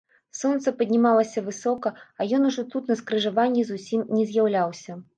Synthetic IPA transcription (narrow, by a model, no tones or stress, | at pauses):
sɔnt̪sɐpɐd̪ʲnʲimalˠɐsʲɐvɨsɔkɐɐjɔnuʐɔt̪ut̪nɐskɾɨʐavanʲːizusʲimnʲɛzʲjawlʲawsʲɐ